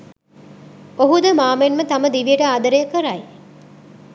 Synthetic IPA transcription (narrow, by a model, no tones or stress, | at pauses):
oɦud̪ɐmaːmenmɐt̪ɐmɐd̪iʋijɐʈɐad̪ɐɾeɐkɐɾaj